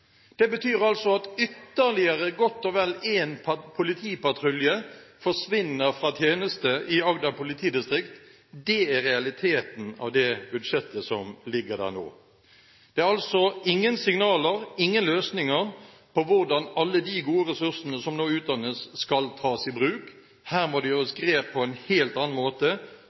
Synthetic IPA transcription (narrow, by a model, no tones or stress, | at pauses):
d̪̥ɛbət̪ʰyːɾɑlsɔɑt̪ʏt̪ːəɾlɪəɾəɡɔt̪ːɔʋɛlːeːnpʰʊlɪt̪ʰiːpɑt̪ʰɾʉljəfɔʂʋɪnːəɾfɾɑt̪ʰjeːnəst̪əʔɪɑɡd̪ɑpʊlɪt̪ʰiːd̪ɪst̪ɾɪkt̪ | d̪ɛæɾɛɑlɪt̪ʰeːt̪n̩ɑ̰ʋd̪ɛbʉd̪ʂɛt̪ːəsɔmlɪɡːəɾd̪æ̰ːʁno̰ː | d̪̥ɛæɾɑlsɔɪŋːənsɪŋnɑːləʁɪŋːənløːsnɪŋəʁ | pʰɔʋʊʁd̪ɑnɑlːəd̪ɪɡuːəɾɛsʉʁsənəsɔmnoːʉːt̪̚d̪ɑnːəsːkɑlt̪ʰɑːsɪbɾʉːk | hæːʁmɔd̪ɛjøːɾəsɡɾeːppʰːɔɛnheːlt̪ɑnɑnmoːt̪ə